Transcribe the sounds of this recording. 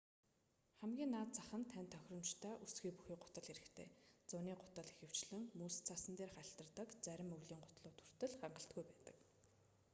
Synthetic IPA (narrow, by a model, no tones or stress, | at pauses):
χæmɡʲiːnːaːt̪̚t͡saχə̆nt̪ʰænʲt̪ʰːœxʲrə̆mt͡ɕt̪ʰœːʔusɡiːpuxiːɢʊt̪ə̆ɮxeɾɘ̆kt̪ʰḛːt͡sʊniːɢʊt̪ə̆ɮixɘ̆w̥t͡ɕɮɘ̆ŋmuːst͡sʰasə̆nt̪eːrχaɬt̪ə̆rt̪ə̆kt͡sæɾʲɪ̆mɵɣɮiːŋɢʊt̪ɮʊːt̪ʰu̥r̥t̪ɘ̆ɮχaɴɢə̆ɬt̪̚ɡujpæːt̪ə̥̆k